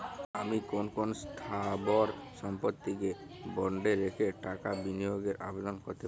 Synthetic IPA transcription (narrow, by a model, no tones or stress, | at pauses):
amikonkonst̪ʰabɔɾʃɔmpot̪ːike | bɔɳɖeɾekʰeʈakabinijoɡeɾʔa̰bed̪ɔnkɔɾt̪e